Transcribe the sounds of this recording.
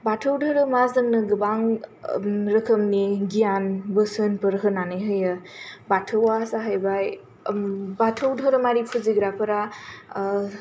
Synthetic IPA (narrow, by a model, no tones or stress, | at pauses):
batʰɯwdʱɯɾɯmazdɯŋnɯɡɯbaŋ | ɾɯkʰɯmniɡijanbɯsɯnpɯɾɦɯnanɯjɦɯjɯbatʰɯwasaɦəjbaj | batʰɯwdʱɔɾɯmaɾipʰɯziɡɾapʰɯɾa